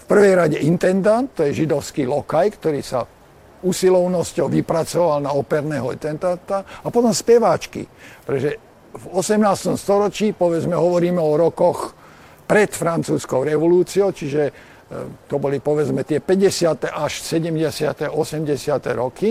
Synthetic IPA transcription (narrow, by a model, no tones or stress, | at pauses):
fpr̩ʋɛjɾaɟɛint̪ɛnd̪ant̪ːɔjɛʒid̪ɔʊskilɔkajkt̪ɔɾiːsa̰ | usilɔʊnɔscɔʊʋipɾat͡sɔʋalnaɔpɛɾnɛːɦɔt̪ɛnt̪ant̪aapɔt̪ɔmspɛʋat͡ʃkḭpɾɛt̪ɔʒɛ | vɔsɛmnaːst̪ɔmst̪ɔɾɔt͡ʃiːpɔʋɛd͡zmɛɦɔʋɔɾiːmɛɔɾɔkɔx | pɾɛt̪fɾant͡suːskɔʊɾɛʋɔluːt͡siɔʊt͡ʃiʒɛ | t̪ɔbɔlipɔʋɛd͡zmɛt̪ɪɛpɛɟɛsɪat̪ɛʔaʃsɛɟɛmɟɛsɪat̪ɛʔɔsɛmɟɛsɪat̪ɛ̰ɾɔki